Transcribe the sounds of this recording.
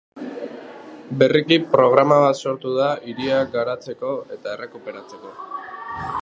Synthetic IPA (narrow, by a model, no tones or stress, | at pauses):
be̞rikipɾo̞ɣ̞ɾamaβ̞at̪so̞ɾt̪uðaiɾiakɡaɾat͡se̞ko̞e̞t̪ae̞re̞kupe̞ɾat͡se̞ko̞